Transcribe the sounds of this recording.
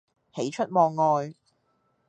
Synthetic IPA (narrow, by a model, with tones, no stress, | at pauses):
he˨˥jt͡ʃʰɵ˥t̚mɔː˧ŋːɔː˨˧j